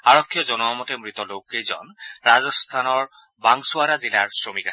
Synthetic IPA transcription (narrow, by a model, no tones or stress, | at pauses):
aɹɔkʰːjɔzɔnɔmɔtɛmɹit̪ɔlowkejzɔ̰nɹazɔst̪ʰanɔɹ | baŋsʊaɾazilaɹsɹomikas